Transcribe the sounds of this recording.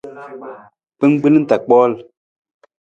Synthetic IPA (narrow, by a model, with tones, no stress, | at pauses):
pə˦ŋ˦ɡ͡bə˦ln̩˦ta˨k͡pɔ˦˨l